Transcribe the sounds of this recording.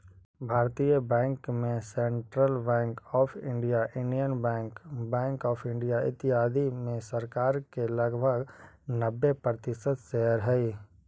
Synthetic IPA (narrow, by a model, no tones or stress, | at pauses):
bʱaːɾt̪ijəbɛ̃ːŋkmẽsẽɳʈɾəlbɛ̃ːŋkɔːpʰɪ̰̃ɳɖijaʔɪ̃ɳɖijənbɛ̃ːŋkbɛ̃ːŋkɔːpʰɪ̃ɳɖijaɪ̰t̪ːɪɦaːd̪ʱimẽsəɾkaːɾkelɐɡbʱəɡ | nəbːepɾət̪ɪsəd̪seɦəɾɦɛi